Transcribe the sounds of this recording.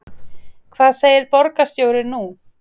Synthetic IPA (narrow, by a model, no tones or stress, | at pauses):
kʰvaːðseːjɪɾpɔɾkast̪joːwɾɪnu